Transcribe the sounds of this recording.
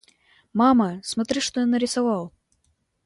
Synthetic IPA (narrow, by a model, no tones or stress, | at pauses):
maməsmɐt̪ɾɨʂt̪ojanəɾʲɪsɐvɑlˠ